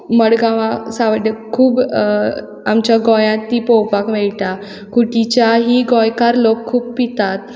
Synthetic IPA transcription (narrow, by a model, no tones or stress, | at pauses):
məɽɡãʋãsãʋəɖəkʰːuːb | amt͡ɕjaɡɔjãt̪ːiːpɔwpakʋɛɭʈa | kuʈit͡ɕjaɦiɡɔjkaɾlokʰːuːbpit̪at̪